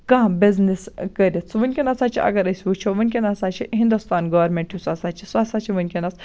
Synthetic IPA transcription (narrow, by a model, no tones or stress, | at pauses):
kãːbʲizniskəɾʲit͡sʰʋɨnʲkʲinɐsaːt͡ʃʰiʔɐ̰ɡɐɾɐsʲiʋut͡ʃʰiʋɨnʲkʲinɐsat͡ʃʰiɦĩnd̪ust̪aːnɡɐʋɐɾmʲeɳʈjusɐsaːt͡ʃʰisasaːt͡ʃʰiʋɨnʲkʲinɐs